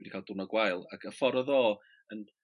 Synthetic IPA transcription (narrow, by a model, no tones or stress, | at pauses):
ɛdikʰaːlˠd̥ʊnɔɡwajlˠakʰəfɔɾɔðoː | ən